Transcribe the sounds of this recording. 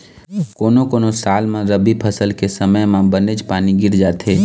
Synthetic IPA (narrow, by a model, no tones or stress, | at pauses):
koːnokoːnosaːlmẽɾəbipʰəsəlkesəməjmãbəned͡ʒpaːniɡɪɾd͡ʒaːt̪ɦeː